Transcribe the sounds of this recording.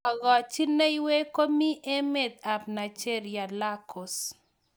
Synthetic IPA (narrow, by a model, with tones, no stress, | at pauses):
ɔ˨ɣɔ˨t͡ʃi˦ne˦jwe˦ko˦mi˦ʔe˦me˨d̪̚a˨pna˨t͡ʃe˦ɾja˨la˦kɔ˨s